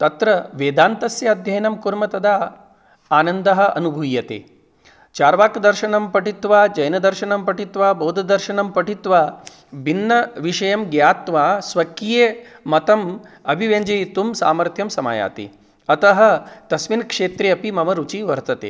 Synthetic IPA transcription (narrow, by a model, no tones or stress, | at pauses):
t̪ɐt̪ɾɐʋeːd̪aːnt̪ɐsjɐɐd̪ʱjɐjɐnɐmkuɾmɐt̪ɐd̪aː | aːnɐnd̪ɐɦɐ̆ɐnubʱujːɐt̪ḛː | t͡ʃaːɾʋaːkd̪ɐɾʃɐnɐmpɐʈit̪ʋaːd͡ʒɐjnɐd̪ɐɾʃɐnɐmpɐʈit̪ʋaːbɐːd̪ʱɐd̪ɐɾʃɐnɐmpɐʈit̪ʋaː | bʱinːɐʋiʃɐjɐmɡjaːt̪ʋaːsʋɐkːijeːmɐt̪ɐmɐbʱiʋeːɲd͡ʒɐjit̪umsa̰ːmɐɾt̪ʰjɐmsɐma̰ːja̰ːt̪ḭ | ɐt̪ɐɦɐ̆t̪ɐsminkʂeːt̪ɾeɐpimɐmɐɾut͡ʃiʋɐɾt̪ɐt̪ḛː